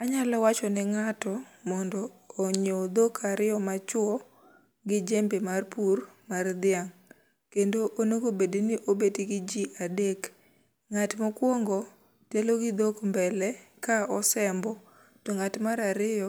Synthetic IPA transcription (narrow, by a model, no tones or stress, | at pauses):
aɲalɔwat͡ʃɔnɛŋatɔmɔndɔːɲod̪okʰaɾɪɔmat͡ʃwɔ | ɡɪd͡ʒembemarpurmard̪ɪaŋ | kendoʔonoɡobedinɪʔobetiɡɪd͡ʒiʔadek | ŋatmokwoŋɡo | teloɡɪd̪okmbɛlɛkaɔsɛmbɔ | toŋatmaɾaɾɪɔ